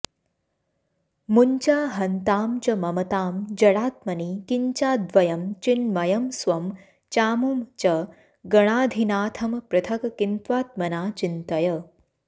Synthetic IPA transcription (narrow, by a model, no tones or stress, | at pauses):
muɲt͡ʃaːɦɐnt̪aːmt͡ʃɐmɐmɐt̪aːmd͡ʒɐɽaːt̪mɐniːkiɲt͡ʃaːd̪ʋɐjɐmt͡ʃinmɐjɐmsʋɐm | t͡ʃaːmumt͡ʃɐ | ɡɐɽ̃aːd̪ʱinaːt̪ʰɐmpɾɐt̪ʰɐkɐkint̪ʋaːt̪̚mɐnaːt͡ʃint̪ɐjɐ